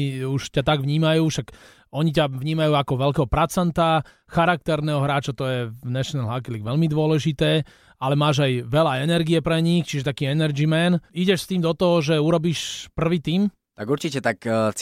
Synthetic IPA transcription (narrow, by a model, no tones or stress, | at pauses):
uʃcat̪aɡʋɲiːmajuːʃak | ɔɲicaʋɲiːmajuːakɔʋɛlkɛɦɔpɾat͡sant̪a | xaɾak̚t̪ɛɾnɛːɦɔɦɾaːt͡ʃat̪ɔjɛnɛʃnɛlɦakiliɡʋɛlmid̪ʊɔlɛʒit̪ɛː | alɛmaːʒajʋɛlaɛnɛɾɡiɛpɾɛɲixt͡ʃiʒɛt̪akiːɛnɛɾd͡ʒimɛniɟɛʃst̪iːmd̪ɔt̪ɔɦɔʒɛuɾɔbiːʃpr̩ʋiːt̪iːm | t̪aɡuɾt͡ʃicɛt̪akt͡s